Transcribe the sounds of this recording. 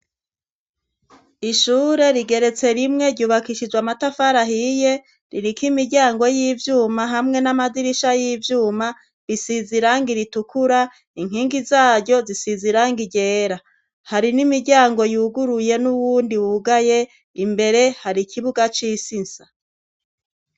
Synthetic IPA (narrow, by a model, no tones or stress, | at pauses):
iʃuːɾe̞ɾiɡe̞ɾe̞t͡se̞ɾimŋe̞ɾɟuːβakiʃid͡ʒwamatafaɾaɦije | ɾiɾikʰimiɾɟaːŋɡo̞jiːvjuːmaɦamŋe̞namadiɾiʃajiːvjuːma | βisiziɾaŋɡiɾitukuɾa | iŋ̥iːŋɡizaːɾɟo̞zisiziɾaŋɡiɟe̞ːɾa | haɾinimiɾɟaːŋɡo̞juːɡuɾuje̞nuwuːndiwuɡaje̞ | imbe̞ɾe̞haɾikʰiβuɡat͡ʃiːsinsa